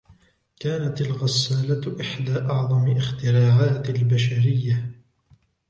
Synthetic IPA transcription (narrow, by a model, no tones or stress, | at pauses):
kaːnat̪alɣasːaːlaʔɪħd̪aːʔɑʕðˤɑmɪʔɪxt̪ɪɾaːʕaːt̪ɪlbaʃaɾɪjːa